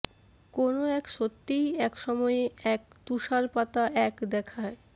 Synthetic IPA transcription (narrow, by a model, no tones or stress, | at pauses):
konoɛkʃot̪ːijɛkʃɔmɔeeɛk̚t̪uʃaɾpat̪aʔɛkd̪ɛkʰae